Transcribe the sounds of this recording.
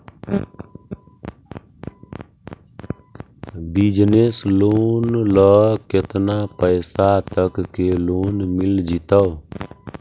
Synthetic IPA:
bid͡ʒnesloːnləket̪napəɪsat̪əkːeloːnmild͡ʒit̪əw

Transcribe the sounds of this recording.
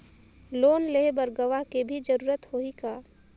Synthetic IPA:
loːnleɦbəɾɡəʋaɦkebʱid͡ʒəɾuːɾət̪hoikaː

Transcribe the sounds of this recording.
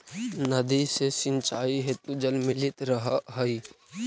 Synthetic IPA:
nəd̪isesɪ̃nt͡ʃaːiɦet̪ud͡ʒəlmɪlɪt̪ɾəɦaɦəi

